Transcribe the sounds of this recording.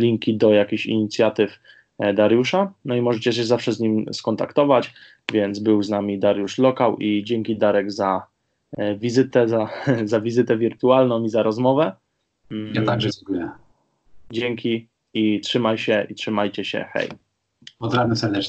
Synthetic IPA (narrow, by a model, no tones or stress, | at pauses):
lʲiŋkʲid̪ɔjakʲiɕḭɲit̪sʲjat̪ɘf | d̪aɾjuʂanɔimɔʐɛt͡ɕɛɕ̬ɛzafʂɛzɲimskɔnt̪a̰kt̪ɔvat͡ɕ | vʲjɛnd̪zbɘwznamʲid̪aɾjuʂlɔkawʔid͡ʑɛŋkʲid̪aɾɛɡza | vʲizɘt̪ɛzazavʲizɘt̪ɛvʲiɾt̪ualnɔ̃wmizaɾɔzmɔvɛ | jat̪aɡʐɛd͡ʑɛŋkujɛ | d͡ʑɛŋkʲi | itʂɘmajɕɛʔitʂɘmajt͡ɕɛɕɛ̰xɛ̰j | pɔd̪ɾaɛsɛɾd̪ɛt͡ʂ